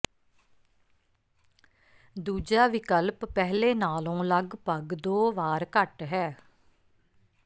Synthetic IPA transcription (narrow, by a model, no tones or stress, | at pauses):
d̪uːd͡ʒaːʋɪkəlpːɛːɦleːnaːlõːləɡpəɡd̪oːʋaːɾkəʈɦɛː